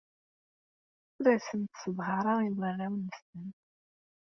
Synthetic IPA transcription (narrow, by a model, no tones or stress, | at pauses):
uɾæsənt̪səðˤɦɑɾˤɑiðərːæwnːəst̪ən